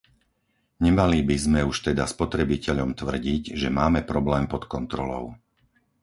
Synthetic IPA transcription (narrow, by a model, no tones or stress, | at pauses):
ɲɛmalibizmɛuʃt̪ɛd̪aspɔt̪ɾɛbicɛʎɔmt̪ʋr̩ɟiɟʒɛmaːmɛpɾɔblɛːmpɔt̪kɔnt̪ɾɔlɔ̰ʊ